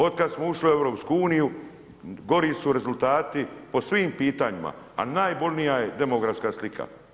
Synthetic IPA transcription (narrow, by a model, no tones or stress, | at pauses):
o̞d̪̚kad̪smouʃliue̞ʋɾo̞ːpskuuːniju | ɡo̞ɾiːsuɾe̞zult̪aːt̪ipo̞sʋiːmpiːt̪aɲima̰ | a̰naːjbo̞lʲnijajed̪e̞moɡɾafskaslikʰa̰